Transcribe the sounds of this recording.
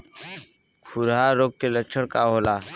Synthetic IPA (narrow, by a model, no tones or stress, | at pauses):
kʰuɾɦaːɾoːɡ̚keləkt͡ʃʰəɽkaɦoːlaː